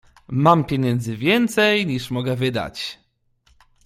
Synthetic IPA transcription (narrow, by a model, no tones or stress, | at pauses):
mampʲjeɲɛnd̪zɘvʲjɛnt̪sɛjɲiʂmɔɡɛvɘd̪a̰t͡ɕ